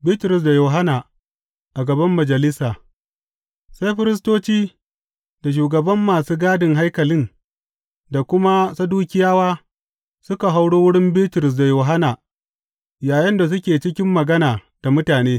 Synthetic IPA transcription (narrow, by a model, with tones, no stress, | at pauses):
bɪ˦tʊ˨ɾʊ˨s̬da˨joː˨ɦa˦naː˨ | ʔa˨ɡɐ˨bɐ˦mːɐ˨d͡ʒɐ˨lɪ˦saː˨ | sa˦jɸɪ˦ɾɪ˦s̬toː˦t͡ʃiː˦ | da˨ʃ̬uː˨ɡɐ˨bɐ˦mːaː˨suː˦ɡaː˦dɪ˨ŋɦa˦jkɐ˨lɪ˦n | da˨kʷʊ˦ma˦sa˦duː˦kʲɪ˦jaː˦waː˦ | sʊ˦ka˨ɦa˦wɽoː˦wʊ˦ɽɪ˦mbɪ˦tʊ˨ɾʊ˨s̬da˨joː˨ɦa˦naː˨ | jaː˨jɐ˦nda˨s̬ʊ˦kʲeː˨t͡ʃɪ˦kʲɪ˦mːɐ˨ɡɐ˦naː˨d̥a˨mʊ˦taː˨neː˦